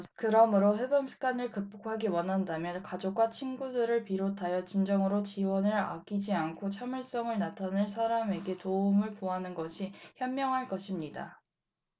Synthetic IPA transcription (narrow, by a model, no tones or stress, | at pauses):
kɯɾʌmɯɾoɸe̞bʌŋsʰɯ̥ɡ͈anɯɭkɯp͈okʰaɡiwʌnɦandamjʌnkad͡ʑok̚k͈wat͡ɕʰinɡudɯɾɯɭpiɾotʰajʌt͡ɕind͡ʑʌŋɯɾot͡ɕiwʌnɯɾa̰k͈id͡ʑiankʰot͡ɕʰamɯɭs͈ʌŋɯɭnatʰanɯɭs̬ʰaɾame̞ɡe̞touŋɯɭpoanɯnɡʌɕʰiçjʌmːjʌŋɦaɭk͈ʌɕʰimɲida